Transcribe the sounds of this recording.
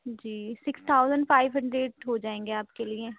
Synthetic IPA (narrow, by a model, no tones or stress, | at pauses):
d͡ʒiːsɪkst̪ʰaːʊzəɳɖpʰaːɪʋɦə̃ɳɖɾeːɖɦoːd͡ʒaːẽːŋɡeaːpkeːlɪẽ